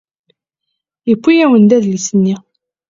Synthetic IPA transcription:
jəkʷːijæwənd̪æðlisənːi

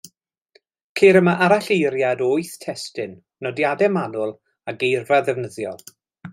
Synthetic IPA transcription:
kʰeːɾəmaʔaɾaɬejɾjadoːɨθtʰɛstɪn | nɔdjadɛmanʊlˠ | aɡejrvaðɛvnəðjɔ̰lˠ

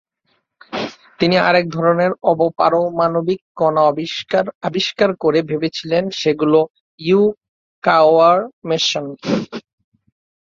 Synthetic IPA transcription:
t̪inia̰ɾek̚d̪ʱɔɾoneɾɔbopa̰ɾomanobikːɔna | abiʃkaɾkoɾebʱebet͡ɕʰilenʃeɡulo | ju | kawaɾmeʃon

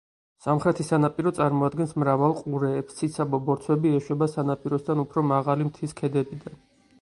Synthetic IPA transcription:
samχɾɛt̪ʰisanapʼiɾɔt̪sʼaɾmɔad̪ɡɛnsmɾavalˠqʼuɾɛːpst̪sʰit̪sʰabɔbɔɾt̪sʰwɛbiɛʃwɛbasanapʼiɾɔsd̪anupʰɾɔmaʁalimt̪ʰiskʰɛd̪ɛbid̪an

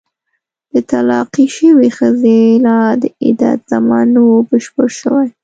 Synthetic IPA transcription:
d̪̥ət̪alɑqiʃəwexəzelɑd̪əɪ̰d̪a̰t̪z̥amɑnwobəʃpəɾʃəwaj

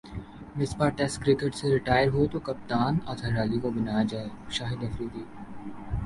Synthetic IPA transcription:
mɪspaːɾʈɛsʈkɾɪkeʈseɾɪʈaːjəɾɦot̪okɐp̚t̪aːnɔːt̪ʰɐɾaːlikobɐnaːjad͡ʒaːeʃaːɦɪd̪ɐfɾiːd̪iː

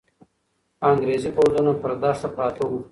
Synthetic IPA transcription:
ɑŋɡɾezipowzunapəɾd̪ɑːst̪apɑːt̪au

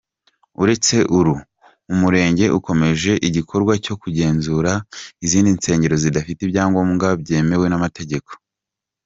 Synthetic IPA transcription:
uɾe̞t͡se̞ʔuɾu | umuɾe̞ːɲɟeʔuko̞me̞ʒe̞ʔiɟikʰo̞ɾɡwaco̞kuɟe̞ːnzuːɾaiziːndinse̞ːɲɟe̞ɾo̞zidafitibjaːŋɡoːmŋɡabɟe̞ːme̞we̞namate̞ɟe̞ko̥

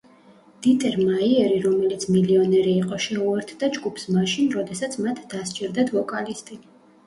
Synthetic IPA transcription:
d̪̥it̪ʼɛɾmaiɛɾiɾɔmɛlit̪sʰmiliɔnɛɾiːqʼɔʃɛuɛɾt̪ʰd̪̥ad͡ʒɡupʰsmaʃinɾɔd̪ɛsat̪sʰmat̪ʰd̪ast͡ʃʼɛɾd̪ad̪ʰvɔkʼalist̪ʼi

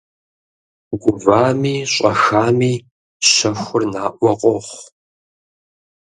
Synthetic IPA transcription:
ɡʷʊvaːmiːɕʼɐxaːmiː | ɕɐxʷʊrnaːʔʷɔqʷʼɔχʷ

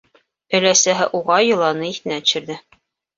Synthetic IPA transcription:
ɵ̆læsæɦɘʔuʁɑjɤ̆lˠɑnɤiθɘ̆næt̪̆ɕɘ̆ɾðɘ

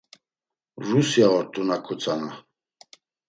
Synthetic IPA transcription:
rusjaɔɾt̪ʼunakʰut͡sʰʼana

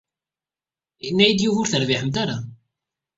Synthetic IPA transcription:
nːæjid̪juvʊɾθəɾvɪħəmt̪aɾa

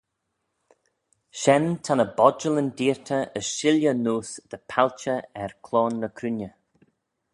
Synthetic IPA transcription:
ʃɛnt̪ʰanəbɔd͡ʒələnd̪iːɹt̪ʰəəʃɪljənuːsd̪̥əpʰalt͡ʃəɛɹkʰlɔːnːəkʰɾunjə

